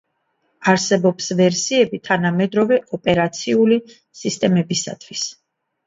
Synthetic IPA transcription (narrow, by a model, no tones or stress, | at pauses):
aɾsɛbɔpsvɛɾsiɛbit̪ʰanamɛd̪ɾɔvɛɔpʼɛɾat̪sʰiuli | sist̪ʼɛmɛbisa̰t̪ʰwis